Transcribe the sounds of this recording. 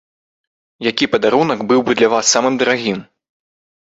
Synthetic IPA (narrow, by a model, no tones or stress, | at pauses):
jakʲipɐd̪aɾunɐɡbɨwbɨd̪lʲɐvasːamɨmd̪ɐɾaɣʲim